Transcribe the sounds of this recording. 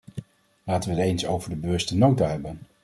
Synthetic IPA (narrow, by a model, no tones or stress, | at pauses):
laːtəʋəɦətejnsowvəɹdəbəʋɵstənowtaɦɛbən